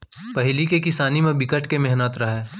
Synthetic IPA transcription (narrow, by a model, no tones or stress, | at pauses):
pɐɦɪlikekɪsaːnimẽbɪkəʈkemɛɦnət̪ɾɐɦɛː